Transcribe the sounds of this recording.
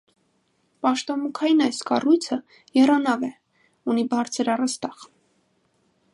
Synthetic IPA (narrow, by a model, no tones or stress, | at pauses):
pɑʃt̪ɑmukʰɑjinɑjskɑ̰rujt͡sʰə | jɛrɑnɑvɛ | unibɑɾt͡sʰəɾɑrəst̪ɑχ